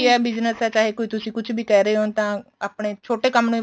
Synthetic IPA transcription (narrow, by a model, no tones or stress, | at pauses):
iɛːbɪznəsɛːt͡ʃaːɦeːkoːiːt̪ʊsĩːkʊt͡ʃʰbiːkɛːɾəeːɦoːnt̪ãːaːpɳeːt͡ʃʰoːʈeːkəmnũĩː